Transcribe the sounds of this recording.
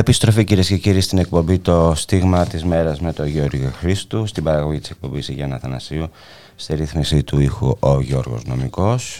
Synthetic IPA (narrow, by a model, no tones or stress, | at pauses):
epist̪ɾo̞ficiɾiesce̞ciɾist̪ine̞k̚po̞mbit̪o̞st̪iɣmɐt̪izme̞ɾɐzme̞t̪o̞ʝoɾʝoxɾist̪ust̪ibɐɾɐɣo̞ʝit̪ise̞k̚po̞mbisiʝɐnɐθɐnɐsiu | st̪iɾiθmisit̪uixṵʔoʝo̞ɾɣo̞̰zno̞̰miko̞s